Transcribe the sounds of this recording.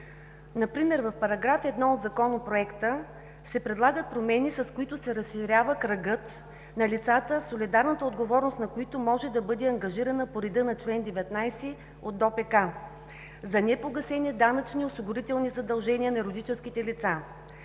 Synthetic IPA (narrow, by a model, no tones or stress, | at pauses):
nɐpɾimɛɾvɐfpɐɾɐɡɾafɛd̪nɔod̪zɐkɔnopɾoɛkt̪ə | sɛpɾɛd̪lˠaɡət̪̚pɾomɛnisɐskoit̪ʊsɛɾəsʃiɾʲjavəkɾɐɡɤt̪ | nɐlit̪sat̪əsolʲid̪aɾnət̪əod̪ɡovɔɾnost̪nɐkoit̪omɔʒɛd̪ɐbɤd̪ɛɐŋɡɐʒiɾɐnəpoɾid̪ɤnɐt͡ʃlɛnd̪ɛvɛt̪najsɛ | od̪ːɔpɛka | zɐnɛpoɡɐsɛnid̪anɐt͡ʃniosiɡʊɾit̪ɛlˠnizɐd̪ɐlˠʒɛnʲiənɐɛɾod̪it͡ʃɛsk̟it̪ɛlit̪sa